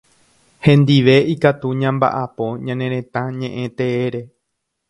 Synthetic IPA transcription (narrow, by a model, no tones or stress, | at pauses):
hẽ̞nd̪iʋe̞ikat̪uɲãmba̰ʔapo̞ɲãnẽɾ̃ẽ̞t̪ãɲẽ̞ʔẽ̞t̪e̞eɾe̞